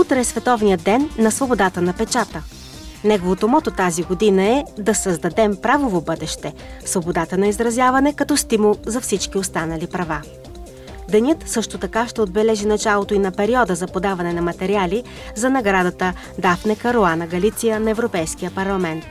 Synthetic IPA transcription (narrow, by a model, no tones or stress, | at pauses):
ut̪ɾɛsvɛt̪ɔvnijəd̪ːɛnːɐsvobod̪at̪ənɐpɛt͡ʃat̪ə | nɛɡovot̪omɔt̪ot̪aziɡod̪inəɛd̪ɐsɐzd̪ɐd̪ɛmpɾavovobɤd̪ɛʃt̪ɛ | svobod̪at̪ənɐizɾɐzʲjavɐnɛkɐt̪ɔst̪imulˠzɐfsit͡ʃk̟iost̪anɐlipɾɐva | d̪ɛnʲɤt̪sɤʃt̪ot̪ɐkaʃt̪ɛod̪̚bɛlɛʒinɐt͡ʃalˠot̪oinɐpɛɾiɔd̪əzɐpod̪avɐnɛnɐmɐt̪ɛɾiali | zɐnɐɡɾad̪ɐt̪ə | d̪afnɛkɐɾoanəɡɐlit̪sijənɐɛvɾopɛjsk̟ijəpɐɾlˠɐmɛnt̪